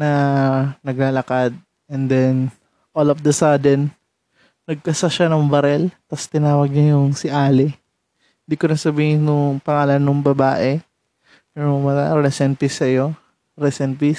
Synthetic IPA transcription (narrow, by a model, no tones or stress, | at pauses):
nɐnɐɡ̚lalɐkad̪̚ | ɛnd̪ɛn | ʔolofd̪ɐsad̪ɛn | nɐɡ̚kɐsaʃanɐŋbɐɾɛlt̪ɐst̪ɪnaːwɐɡ̚ɲajʊŋsɪʔaːlɪ | ɪnd̪ikonɐsɐbiːhɪnʊŋpɐŋaːlɐnːʊŋbɐbaːʔɛ | mɛɾmɐa̰ɾɛsɛnpisɐjo̞ | ɾɛsɛnpi